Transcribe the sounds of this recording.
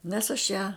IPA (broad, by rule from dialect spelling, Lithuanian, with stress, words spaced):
nʲɛs ɐʃ ˈjæː